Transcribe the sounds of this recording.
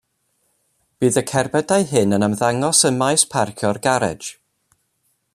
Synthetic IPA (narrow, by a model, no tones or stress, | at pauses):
b̥iːðəkʰɛrbɛdaɨhɨnənəmðaŋɔsəmajspʰarkʰjɔrɡaɾɛ̰̥d͡ʒ